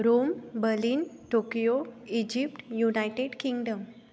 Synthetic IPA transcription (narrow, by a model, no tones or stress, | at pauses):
ɾombəɾliːnʈokijoid͡ʑipʈjunajʈeɖkĩŋɡɖəm